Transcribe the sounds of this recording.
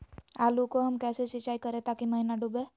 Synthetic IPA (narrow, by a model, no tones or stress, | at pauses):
aːlukoɦɐmkɛːsesɪt͡ʃaːikɐɾẽt̪aːkiməɦinaɖubeː